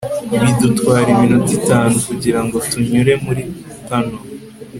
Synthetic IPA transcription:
βidutwaːɾiminutitaːnukuɟiɾaŋɡo̞tuɲuɾe̞muɾi | tano

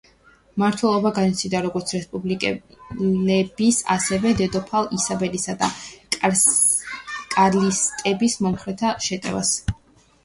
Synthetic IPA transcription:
maɾt̪ʰwɛlˠɔbaɡanit̪sʰid̪aɾɔɡɔɾt̪sʰɾɛspʼublikʼɛlɛbisa̰sɛvɛd̪ɛd̪ɔpʰalˠisabɛlisad̪a | kʼaɾlist̪ʼɛbismɔmχɾɛt̪ʰaʃɛt̪ʼɛ̰va̰s

